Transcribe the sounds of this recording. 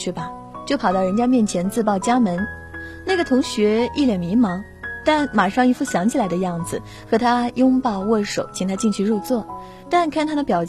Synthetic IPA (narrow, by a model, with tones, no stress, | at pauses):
y˥˩bɐ˧˩ | t͡ɕjo˥˩ʊpʰɑ˨ʊt̪ɑ˥˩ʊɻə˧˥nt͡ɕja˥mjɛ˥˩nt͡ɕʰjɛ˧˥nt͡sɹ̩˥˧pɑ˥˩ʊt͡ɕja˥mə˧˥n | na˥˩ɡə˩t̪ʰʊ˧˥ŋɕɥɛ˧˥i˥˩ljɛ˨˩nmi˧˥ŋmɑ˧˥ŋ | t̪a˥˩nma˨˩ʂɑ˥˧ŋi˧˥fu˥˩ɕjɑ˧˥ŋt͡ɕʰi˨˩la˧˥ɪd̪ə˧jɑ˥˩ŋd͡zɹ̩˨˩ | xɤ˧˥t̪ʰa˥jʊ˥ŋpɑ˥˧ʊwɔ˥˩ʂo˨˩˦ʊt͡ɕʰi˧˥ŋt̪ʰa˥t͡ɕi˥˧nt͡ɕʰy˥˧ɻu˥˧t͡swɔ˥˩ | t̪a˥˧nkʰa˥˩nt̪ʰa˥d̪ə˨pjɑ˨˩ʊ